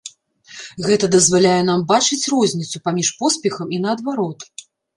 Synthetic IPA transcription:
ɣɛt̪ɐd̪ɐzvalʲajɛn̪ambat͡ʂɨt͡sʲrɔzʲnʲit̪sʲupamʲiʂpɔspʲɛxɐminɐːd̪vaɾɔt̪

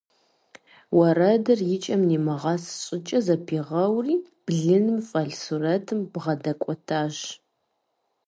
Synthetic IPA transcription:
wɐrɐdɐrjɪt͡ʃʼɐmnimɐʁɑːsɕʼɪt͡ʃʼɐzɐpʰiʁɐwriː | b̥ɮɨnɨmfʼɐɮsurɐtʰɨmb̥ʁɐdɐkʷʼɔtʰaːʒ

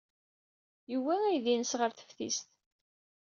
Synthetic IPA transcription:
jəwːææjðinəsʁəɾθə̥fθḭst̪

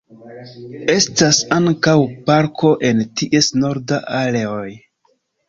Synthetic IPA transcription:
e̞stasaŋkawpaɾkʰo̞ʔe̞ntiʔe̞snoɾdaʔaleoj

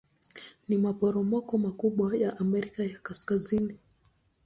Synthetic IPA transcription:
nimapɔɾɔmɔkɔmakuɓwajaʔamɛɾikajakaskazini

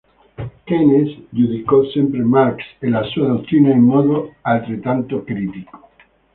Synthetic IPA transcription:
kenesʎuðikosjempɾemaɾkselasuaðok̚t̪ɾinaeŋmoðoalt̪ɾet̪ant̪okɾit̪iko̥

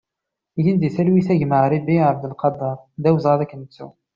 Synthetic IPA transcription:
jind̪iθælwiθæʝməʕɾibiʕəbd̪əlqɑd̪ˤːɑɾˤðæwəzˤʁɑðækːənət͡sːṵ

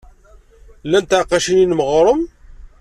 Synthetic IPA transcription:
lːænt̪ʕqɑʃininməʁɾˤəm

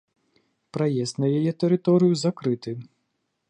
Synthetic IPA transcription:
pɾɐjɛst̪ʲnɐjɐjɛt̪ɛɾɪt̪ɔɾɪjʊzɐkɾɪt̪ɪ

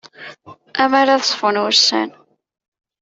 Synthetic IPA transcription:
æmaɾaθsˤfənʊɾsæ̰n

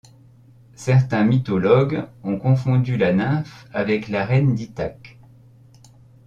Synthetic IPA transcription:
sɛʁt̪ɛ̃mit̪ɔlɔɡɔ̃kɔ̃fɔ̃d̪ylanɛ̃favɛklaʁɛnd̪it̪ak

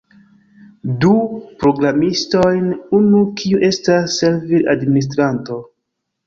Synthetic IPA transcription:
dupɾo̞ɡɾamisto̞jnunukʰiuʔe̞stasːe̞ɾvilʔadminis̬tɾanto̞

